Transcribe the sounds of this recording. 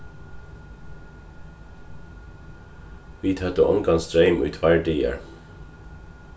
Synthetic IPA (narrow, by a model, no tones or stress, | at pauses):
ʋiːt̪ʰœt̪əʔɔŋɡɑnsd̪ɾœʏmʔʉ̰ːt̪ʰʋæɹɖiːə̰ɹ